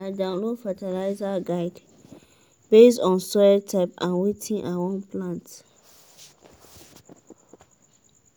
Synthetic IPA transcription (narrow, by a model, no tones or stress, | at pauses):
adãʊ̃nlodfatelaɪzaɡaɪd | b̥esɔ̃nsɔtʰaɪpãnwitʰĩnʔawɔ̃nplãnt